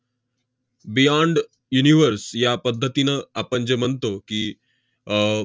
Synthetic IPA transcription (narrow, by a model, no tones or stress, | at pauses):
bijãːɳɖ | juniʋəɾsjapəd̪ʱːət̪inəapənd͡ʒəmənt̪oki